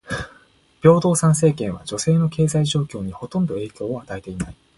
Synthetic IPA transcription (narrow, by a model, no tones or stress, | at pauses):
b̥ʲjo̞ːd̪o̞ːsãɰ̃s̬e̞ːkẽɰ̃βa̰d͡ʑo̞se̞ːno̞ke̞ːzaiʑo̞ːkʲo̞ːɲ̟iho̞t̪õ̞nd̪o̞e̞ːkʲo̞ːoat̪aet̪e̞inai